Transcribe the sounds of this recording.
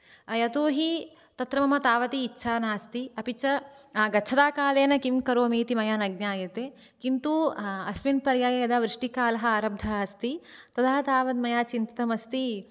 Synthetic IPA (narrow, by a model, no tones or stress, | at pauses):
ɐjɐt̪uːɦi | t̪ɐt̪ɾɐmɐmɐt̪aːʋɐt̪iːtːʃʰaːnaːɐst̪iɐpit͡ʃɐaːɡɐt͡ʃʰɐd̪aːkaːleːnɐkimkɐɾoːmiːt̪imɐjaːnɐɡ̚naːjɐt̪e | kint̪uɐsminpɐɾjaːjɐjɐd̪aʋɾɪʂʈikaːlɐɦɐaːɾɐb̚d̪ʱɐɐɐst̪it̪ɐd̪ɐɦɐt̪aːʋɐd̪̚mɐjaːt͡ʃint̪ɐt̪ɐmɐst̪i